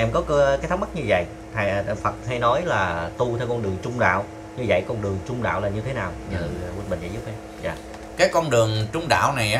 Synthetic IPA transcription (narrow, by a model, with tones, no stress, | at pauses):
ʔɛ˧mkɔ˨˦˧kaː˨˦t̪ʰa˨˦˥ŋ͡mma˦˥t̚ɲɨ˧və̰˧˨j | t̪ʰa˧˩˨fə˨˩t̚ha˧jnɔ˨˦jlaː˨˩t̪u˧t̪ʰɛ˧wkɔ˧nɗɨ˨˩əŋt͡ɕʊ˧ŋ͡mɗa̰ː˧˨w | ɲɨ˧və̰˧˨jkɔ˧nɗɨ˨˩əŋt͡ɕʊ˧ŋ͡mɗa̰ː˧˨wlaː˨˩ɲɨ˧t̪ʰe˨˦naː˨˩wɲɨ˧˩˨wɓï˨˩ŋ̟zɛ̰˧˥zu˦˥p̚ʔɛ˨˦ | za̰ː˨ | kaː˨˦jkɔ˧nɗɨ˨˩əŋt͡ɕʊ˨˧ŋ͡mɗa̰ː˧˨wna˨˩jʔː